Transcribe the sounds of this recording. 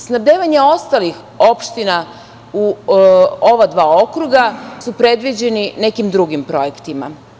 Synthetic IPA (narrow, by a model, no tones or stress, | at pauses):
snabd̪eːʋaɲeo̞st̪alix | o̞pʃt̪ina | u | o̞ʋad̪ʋaːo̞kɾuɡasupɾe̞d̪ʋid͡ʑe̞nine̞kimd̪ɾuɡimpɾo̞jekt̪ima̰